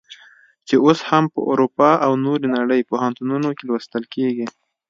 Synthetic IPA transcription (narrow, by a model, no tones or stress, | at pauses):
t͡ʃeoshampə̰ʔo̰ɾupɑʔawnoɾenaɽəjpohant̪ununokelwəst̪əlkeɡi